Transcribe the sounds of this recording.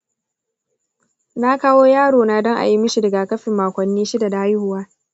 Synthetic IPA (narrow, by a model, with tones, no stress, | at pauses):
na˦kaː˦woː˦jaː˦ɽoː˨na˦dɔ˦ŋʔa̰˨ji˦mʊ˦ʃi˨dɐ˨ɡa˨kɐ˦ɸɪ˨mːaː˨kʷɐ˨nːiː˦ʃɪ˦da˨da˨a˦jhʊ˨waː˦